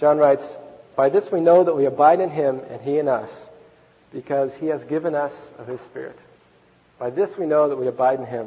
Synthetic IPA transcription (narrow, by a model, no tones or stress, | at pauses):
ʒ̥ɑ̃nɹaɪtsb̥aɪðɪswinoʊðət̚wiɨbaɪɾɨ̃nɪ̃mɨ̰̃niɨ̃nʌ̰s | b̥ɨkʰʌz̥iɨzɡɪvɨ̃nʌsʌv̥ɨz̥spɪ̰ɹɨ̰t̚ | b̥aɪðɪswinoʊðət̚wiɨbaɪɾ̃n̩ɪ̃m